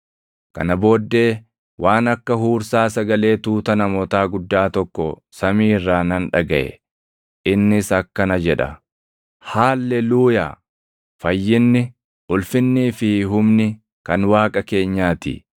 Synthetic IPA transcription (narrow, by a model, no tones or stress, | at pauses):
kɐ̰nɐbo̞ːd̪ːe̞ː | wʔaːnɐkːɐhuːɾsaːsɐɡɐle̞ːt̪uːt̪ɐnɐmɔːt̪aːɡʊd̪ːaːt̪ɔkːɔ | sɐmiːrːaːnɐnᶑɐɡɐʔɛ̰ | ʔɪnːɪsɐkːɐnɐd͡ʒɛᶑɐ̰ | haːlːɛluːja̰ː | fɐjːɪnːɪ | ʔʊlfɪnːiːfɪɦʊmnɪ | kɐnwaːkʼɐke̞ːɲːaːt̪ɪ̰